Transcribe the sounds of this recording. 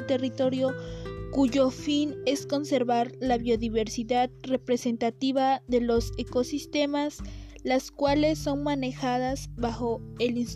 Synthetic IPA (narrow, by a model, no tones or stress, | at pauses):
t̪e̞rit̪o̞ɾjo̞kuʝo̞fine̞sko̞nse̞ɾβaɾlaβjo̞ðiβe̞ɾsiðaðre̞pɾe̞se̞nt̪at̪iβaðe̞lo̞se̞ko̞sist̪e̞maslaskwale̞sːo̞nmane̞xaðazβaxo̞e̞lins